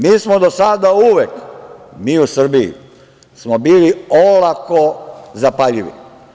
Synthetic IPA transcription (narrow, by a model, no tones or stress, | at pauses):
miːsmod̪osad̪auʋekmiːusr̩biḭ | smobiːliolakozapaʎiʋḭ